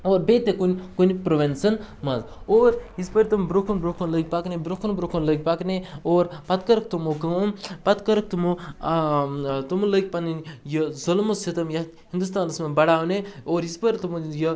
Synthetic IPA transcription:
oːɾbet̪ekunʲkunipɾoʋensɐnmɐz | oːɾispəɾʲt̪umbɾokʰunbɾokʰunlək̚ʲpaknebɾokʰunbɾokʰunləɡ̚ʲpakneoːɾpɐt̪kɐɾɐk̚t̪umokɐmpɐt̪kɐɾək̚t̪umo | t̪umulək̚ʲpɐninjəzɐlmuset̪ɐmjɐ | hind̪ust̪aːnɐsmɐbɐɽaːʋneoːɾispəɾʲt̪umujɐ

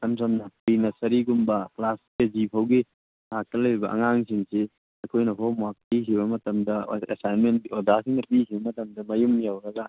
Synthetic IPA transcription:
ɐmsamnɐpinɐsɐɾiɡumbɐklas | ezipʰawɡi | lak̚tɐlajɾibɐʔɐ̰ŋaŋsʰiŋse | ɐkʰojnɐɦɔmak̚pikʰiβɐmɐtɐmdɐesajnmeniɔdasiŋnɐpikʰibɐmɐtɐmdɐmɐjumnijawɾɐɡa

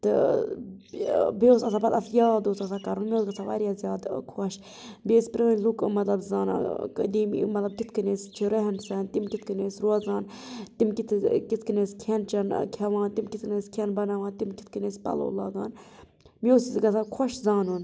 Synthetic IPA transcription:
t̪ɨ | bosɐsaːpɐt̪ɐt̪jaːd̪oːsɐsakɐɾunmʲioːsɡɐt͡sʰaʋa̰ɾjaːzʲjaːd̪kʰɐʃ | beːspɾənlukmɐt̪lɐbzaːna̰ːkə̰d̪iːm̰mɐt̪lɐb̚kit̪ʰkɨneːst͡ʃʰiɾɐɦnsɛnt̪imkʲit̪ʰkɨneːsɾwɐzaːn | t̪imkit̪ʰkit̪kɨneːsʲkʲʰent͡ʃɐnkʰɐʋãːnt̪imkit̪kneːsʲkʰɐnbɐnaʋaːnt̪imki̥t̪ʰkɨnespɐ̰lo̰ːla̰ːɡa̰ːn | mioːsiɡɐsʰakʰoʃzaːnun

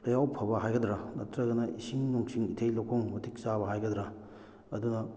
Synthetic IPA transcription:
ɾɐjawpʰɐbɐɦajɡɐdɾɐnɐtɾɐɡɐnɐʔisiŋnuŋsiŋitʰejlowkʰoŋmɐtʰik̚saβɐɦajɡɐd̪ɾɐ | ɐdunɐ

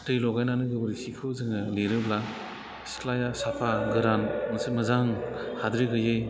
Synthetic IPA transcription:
tɯjlɔɡajnanɯɡɯbɯɾisikʰɯwzɯŋɯliɾɯbla | sklajasapʰaɡɯɾanmɐsɯmɯzaŋhadɾiɡɯjɯj

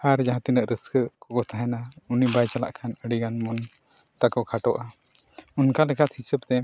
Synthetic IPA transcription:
aɾd͡ʒaɦãt̪inəʔɾəskʰəkɔɡɔt̪ʰaɦɛnaunibajt͡ʃala̰ʔkʰanəɽiɡanmɔn | t̪akɔkʰaʈɔʔa | unkalɛkat̪hisəb̚t̪ɛ

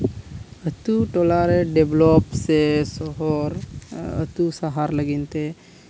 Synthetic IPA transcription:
ət̪uʈoːlaːɾeɖeblɔpsesɔɦɔɾə̰t̪usaɦaɾləɡint̪e

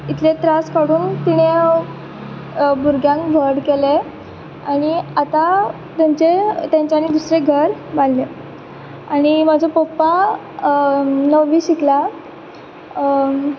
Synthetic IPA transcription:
it̪ʰlet̪ɾaskaɽuːnt̪iɽe | buɾɡjãŋkʋʱəɽkele | aɽ̃iat̪a | t̪jaɲt͡ɕet̪jãɲt͡ɕaɽ̃id̪usɾeɡʱəɾballe | aɽ̃imad͡zʱapopa | nəʋiːɕikla

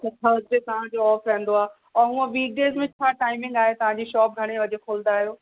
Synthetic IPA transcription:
sɐtʰaʋɐd͡ʑet̪ɐʋ̤ãd͡ʑoɔːfɾɛ̃ɦn̆d̪oaː | ɔːɾɦũə̃ʋiːk̚ɖeːzmẽt͡ɕʰaːʈaːɪmɪ̃ŋɡaːɦet̪ɐʋ̤ãɲd͡ʑiːʃɔːp̚ɡʱɐɽ̃eʋɐd͡ʑekʰoːlnd̪aːɦijoː

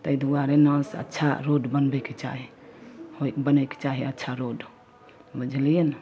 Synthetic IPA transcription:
t̪əjd̪ʱuwaɾenə̃sə̰tːt͡ʃʰa̰ɾoɖbənbɛket͡ʃa̰ɦi | hokbənəjke̥t͡ʃaɦiətːʃʰaɾoɖ | bəd͡ʒlijen

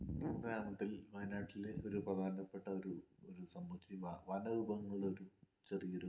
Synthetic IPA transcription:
nundɐnaːmɐt̪ːilʋɐjnaːʈːileo̞ɾuprɐd̪ʱaːɾnɐpːeʈːɐoɾuoɾusɐmbɐt͡ɕːiʋɐnɐubɐŋːɐɭo̞ɾu | t͡ɕerijɐɾu

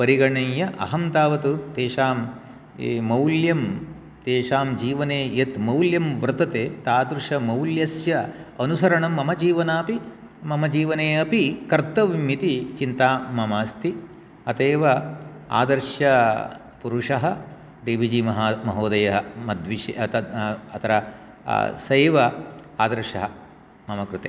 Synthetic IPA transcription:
pɐɾiɡɐɳɐjɐʔɐ̰ɦɐmt̪aːʋɐt̪ut̪eːʃaːmː | mɐwljɐm | t̪eːʂaːmd͡ʒiːʋɐneːjɐt̪mɐwljɐmʋɾɨt̪ɐt̪eːt̪aːd̪ɾuʂɐmɐwljɐsjɐɐnusɐɾɐɳɐmːɐmɐd͡ʒiːʋɐnaːpi | mɐmɐd͡ʒiːʋɐneːɐpikɐɾt̪ɐʋimit̪it͡ʃint̪aːmɐmaːst̪ʰi | ɐt̪eːʋɐa̰ːd̪ɐɾʂjɐ | puɾuʂɐɦɐ | ɾiːʋid͡ʒimɐɦaːmɐɦoːd̪ɐjɐɦɐmɐd̪ʋiʃt̪ɐɐt̪ʰɐɾɐ | sɐjːʋɐa̰ːd̪ɐɾʂɐɦɐ | mɐmɐkɾut̪ḛː

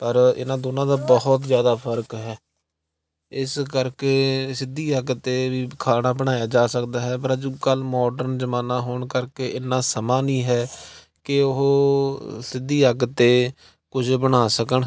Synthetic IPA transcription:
pəɾɪ̰nãːd̪oːnãːd̪aːbəɦʊt̪zjaːd̪aːpʰəɾkɦɛː | ɪskəɾkeːsɪd̪iːəɡt̪eːʋiːkʰaːnaːbəɽ̃aːjaːd͡ʒaːsəkd̪aːɦɛːpəɾəd͡ʒukəlmɔːɖəɾnzəmaːnaːɦoːɳkəɾkeːʔɪnːãːsəmãːnĩːɦɛː | kɪʊɦoːsɪd̪iːəɡt̪eː | kʊd͡ʒbəɽ̃aːsəkəɳ

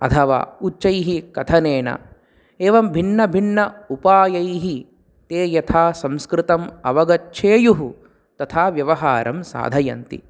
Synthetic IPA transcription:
ɐ̰t̪ʰɐʋa̰ːutːt͡ʃːɐjɦikɐt̪ʰɐneːnɐ̰ | eːʋɐmbʱinːɐbʱinːɐupaːjɐjɦi | t̪eːjɐt̪ʰaːsɐ̃mskɾɪt̪ɐmɐʋɐɡɐtːʃʰeːjuɦu | t̪ɐt̪ʰaːʋjɐʋɐɦaːɾɐmsa̰ːd̪ʱɐjɐ̰nt̪ḭ

